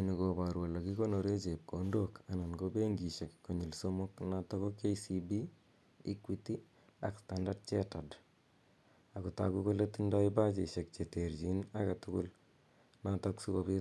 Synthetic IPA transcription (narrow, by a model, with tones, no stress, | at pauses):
ni˨ko˨ba˨ɾwo˨la˨ki˦ko˦no˨ɾe˦t͡ʃe˨p̚kʰondoka˨na˨nɡobe˦ŋɡi˨ʃe˨kːo˨ɲi˨lsomo˦kna˦tɔ˦kɔ˦ke˦isibi˦ | i˦kwi˦ti˦ | a˨kstanda˦t̚t͡ʃɛ˦ta˨d | a˨ku˨ta̰ku˦ko˦letinda˦iba˦t͡ʃe˨ʃe˨k̚t͡ʃe˨te˨ɾd͡ʒi˦na˦ɡa˨tu˦ku˦l | na˦tɔksu˦ko˨pi˦